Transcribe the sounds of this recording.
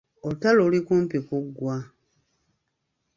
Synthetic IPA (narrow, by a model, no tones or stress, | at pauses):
otalolikuːmpikuɡːwa